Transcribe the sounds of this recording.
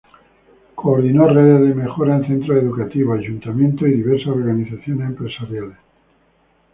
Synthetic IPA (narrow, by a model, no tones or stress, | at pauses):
koːɾðinoreðeðemexoɾaenθent̪ɾoeðukat̪iβoaʒunt̪amjent̪oiðiβeɾsasoɾɣaniθaθjonesempɾe̞saɾjales